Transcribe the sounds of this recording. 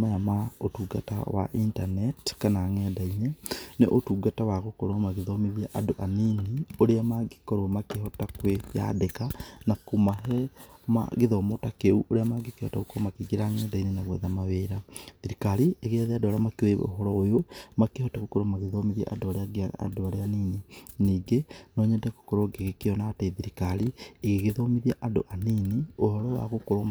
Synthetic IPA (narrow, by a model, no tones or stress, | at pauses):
majamaotuɡata̰wa̰ʔintanɛtkanaːŋɛdaineneʔotuɡatawaɣokoɾwamaɣeðomeðjaʔadoʔaninioɾeamaɡekoɾwomakehɔtakweja̰dekanakomaɦɛma̰ɣeðomotakeuʔoɾeamaɡekehɔ̰taɣokomakiɡiɾaŋɛdainenaɣwɛ̰ðamaweɾaðiɾikaɾieɣeaðeadoβaɾeamakeweo̰ɦɔɾɔojomakehɔtaɣokoɾomaɣeðɔmiðia̰ʔa̰doβaɾeaɡeaa̰doβaɾeanininiːɡenɔɲɛndɛko̥koɾoɡeɣekeɔnaːteðiɾikaɾieɣeɣeðɔmiðiaʔado̰ʔaniniohɔɾɔwa̰ɣokoɾo